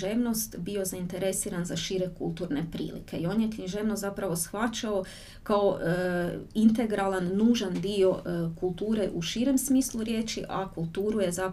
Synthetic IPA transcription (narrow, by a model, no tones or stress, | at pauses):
ʒeːʋno̞st̪bio̞zaint̪e̞ɾe̞siːɾanzaʃiːɾe̞kṵlˠt̪uːɾne̞pɾḭːlḭkʰe̞io̞ːnjekɲiʒe̞ːʋnozapɾaʋo̞sxʋat͡ʃao̞ | kao̞ | int̪e̞ɡɾalanːuːʒand̪io̞kulˠt̪uːɾe̞ʔuʃiːɾe̞msmiːslˠuɾje̞ːt͡ʃḭʔa̰kulˠt̪uːɾuje̞za